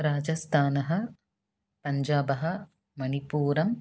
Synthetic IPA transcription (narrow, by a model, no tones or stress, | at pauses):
ɾaːd͡ʒɐst̪ʰaːnɐɦɐ̆ | pɐɲd͡ʒaːbɐɦɐ̆ | mɐnipuːɾɐm